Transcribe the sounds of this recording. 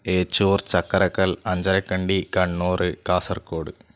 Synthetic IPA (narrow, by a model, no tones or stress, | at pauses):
eːt͡ʃːuːrt͡ɕɐkːɐɾɐkːɐlɐɲd͡ʑɐɾɐkːɐɳɖikɐɳːoːrɨkaːsɐrkoːɽɨ